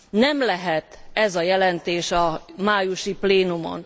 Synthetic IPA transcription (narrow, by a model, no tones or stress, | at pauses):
nɛmlɛɦɛt̪ɛzɒjɛlɛnt̪eːʃɒmaːjuʃipleːnumo̞̰n